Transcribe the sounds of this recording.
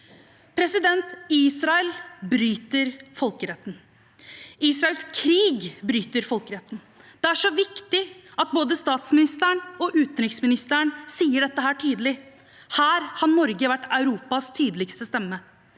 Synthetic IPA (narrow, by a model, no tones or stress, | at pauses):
pʰɾɛsɪd̪ɛnt̪iːsɾɑɛlbɾyːt̪əɾfɔlkəɾɛt̪ːn̩ | iːsɾɑɛlskʰɾiːɡbɾyːt̪əɾfɔlkəɾɛt̪ːn̩ | d̪̥ɛæʂɔʋɪkt̪ɪɑt̪̚boːd̪əst̪ɑːt̪smɪnɪst̪æɳɔʔʉːt̪nɾɪksmɪnɪst̪əɳsiːəɖɛt̪ːəɦæːʈʰiːd̪lɪ | hæːɾhɑnɔɾɡəʋæʈːɑʉɾuːpɑst̪ʰyːd̪lɪkst̪əst̪ɛmːə